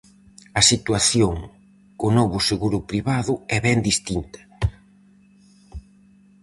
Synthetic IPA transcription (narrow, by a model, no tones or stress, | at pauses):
ɐsit̪waθjoŋ | konɔβʊseɣuɾʊpɾiβaðʊɛβɛnd̪ist̪int̪ɐ̥